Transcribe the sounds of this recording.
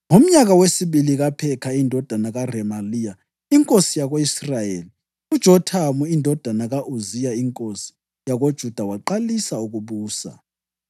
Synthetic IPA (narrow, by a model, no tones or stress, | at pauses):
ŋom̩ɲaɣawesiβiliɣapʰɛkʰaindʱɔd̥ʱanaɣarɛmalija | iŋkʼosijaɣoisrajeːli | ud̥ʒ̥ʱɔtʰamuindʱɔd̥ʱanaɣaʔuzijaiŋkʼosi̥ | jaɣod̥ʒ̥ʱud̥ʱawaǃalisauɣuβuːsa̰